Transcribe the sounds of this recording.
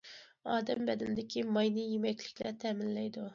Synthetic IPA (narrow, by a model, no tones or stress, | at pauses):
ɑːd̪ɛmbɛd̪ɪnd̪ɪkʲʰimɑjnɨjemɛkʲlɪkʲlæt̪ʰɛmɪnlɛjd̪u